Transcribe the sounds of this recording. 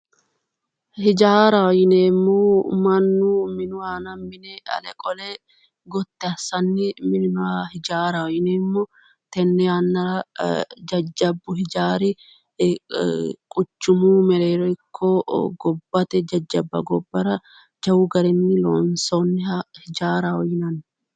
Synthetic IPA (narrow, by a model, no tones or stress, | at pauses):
hɪd͡ʒaːɾɐwɔjɪneːmːomɐnːumɪnʊwaːnɐmːɪnɛɐ̰lɛ̰kʼɔle | ɡɔt̪ːɛɐsɐnːɪmɪnnʊahɪd͡ʒaːɾɐɔjɪneːmːɔ | t̪ɛnːɛɐnːɐɾɐd͡ʒɐd͡ʒːɐbːʊhɪd͡ʒaːɾɪ | kʼʊt͡ʃːʊmuːmɛɾeːɾɔɪkʰːoːɡɔbːɐt̪ɛd͡ʒɐd͡ʒːɐbːɐ̰ɡɔbːɐɾɐ | d͡ʒɐwuɡɐɾɛnːɪlo̰ːnsonːɪɐhɪd͡ʒaːɾɐɔjɪnɐn